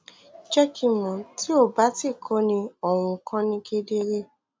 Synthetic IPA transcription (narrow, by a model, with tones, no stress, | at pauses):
d͡ʒɛ˦kʰi˧˨mɔ̃˨tʰi˨˦o˦˨ba˨˦ti˦˨kʰɔ˦nĩ˧o˦˨w̃ũ˧kʰã˧nĩ˧ke˧de˦ɾe˦